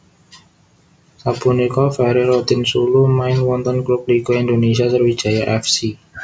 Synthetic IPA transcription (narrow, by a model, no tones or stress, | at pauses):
sab̥unekɔfɛɾiɾɔt̪ɪnsulumaɪnwɔnt̪ɔnklup̚likoind̪onesiasərwi̥d͡ʒ̥a̤jaʔɛfsi